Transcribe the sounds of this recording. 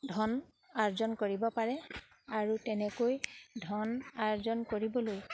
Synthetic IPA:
dʱɔn | aɹzɔnkoɹibɔpaɹɛ | aɹutɛnɛkojdʱɔnaɹzɔnkoɹibɔloj

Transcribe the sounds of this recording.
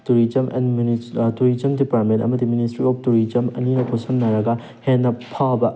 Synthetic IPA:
tuɾid͡ʒɐmʔɛ̰nmtuɾid͡ʒɐmdipaɾ̚mẽntɐ̰mɐdiministɾiɔp̚tuɾid͡ʒɐmɐ̰ninɐkʰosɐmnɐɾɐɡɐ | henːɐpʰawbɐ

